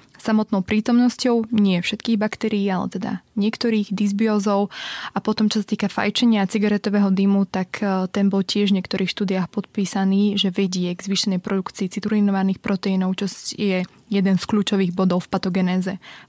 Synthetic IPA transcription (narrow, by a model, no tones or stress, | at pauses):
samɔt̪nɔʊpɾiːt̪ɔmnɔscɔʊɲɪɛfʃɛt̪kiːɣbakt̪ɛɾiːalɛ̰t̪ɛd̪a̰ɲɪɛkt̪ɔɾiːɣd̪izbiɔːzɔʊʔapɔt̪ɔmt͡ʃɔsat̪iːkafa̰jt͡ʃɛɲɪat͡siɡaɾɛt̪ɔʋɛɦɔd̪imut̪akʰt̪ɛnbɔlcɪɛʒvɲɪɛkt̪ɔɾʔiːxʃt̪uːd̪ijaːxpɔt̪̚piːsaniːʒɛʋɛɟɪɛɡzʋiːʃɛnɛjpɾɔd̪ukt͡siːt͡sit̪uɾinɔʋaniːxpɾʔɔt̪ɛinɔʊt͡ʃɔjɛ | jɛd̪ɛnskʎuːt͡ʃɔʋiːɣbɔd̪ɔʊfpat̪ɔɡɛnɛːzɛ